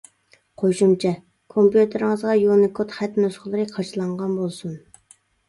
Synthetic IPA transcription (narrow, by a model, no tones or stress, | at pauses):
qʰoʃumt͡ʃʰɛ | kʰompjut̪ʰeɾɪŋɨzʁɑjunɪkʰot̪χɛt̪nusχəlˠɨɾɨqʰɑt͡ʃʰɨlˠɑɴʁɑnbolˠsun